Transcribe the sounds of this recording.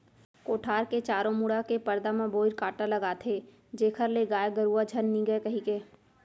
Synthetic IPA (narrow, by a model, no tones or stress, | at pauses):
koːʈʰaːɾket͡ʃaːɾõmuɽakepɐɾd̪amãboːɪɾkaːʈalɐɡaːt̪ʰe | d͡ʒeːkʰəɾleɡaːjɡəɾuad͡ʒʱənːĩɡəekɐɦikeː